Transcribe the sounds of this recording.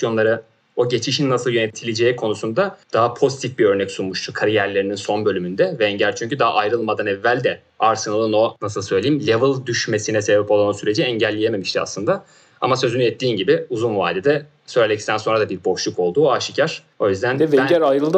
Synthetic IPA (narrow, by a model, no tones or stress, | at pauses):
jo̞nlˠaɾɯ | o̞ɟe̞t͡ʃʰiʃinːasɯlˠjønet̪ʰilʲid͡ʒeːikʰo̞nusund̪ad̪̥aɦapʰo̞zit̪ʰifbiø̞ɾnɛcsunmuʃt̪ʰukʰaɾijæɾlʲe̞ɾininso̞nbø̞lʲymynd̪ɛvɛːɲɟælʲt͡ʃʰyɲcʰyd̪aɦa̰ʔajɾɯlˠmad̪anɛvːælʲd̪ɛ | aɾsɯnalˠɯno̞nasɯlˠsø̞jlʲeimlʲevɯlˠd̪yʃme̞sinɛsebɛpo̞lˠanusyɾe̞d͡ʒiɛɲɟælʲːejeme̞miʃt̪ʰia̰slˠɯnd̪a | a̰masø̞zynyɛt̪ːiːnɟibɪuzunva̰ːd̪ed̪ɛ | sø̞jlʲeɛcst̪ænso̞nɾad̪abiɾbo̞ʃlˠuko̞lˠd̪uːaʃicʰaɾ̥ | o̞jyzd̪ænɛveæɛɾajɾɯlˠd̪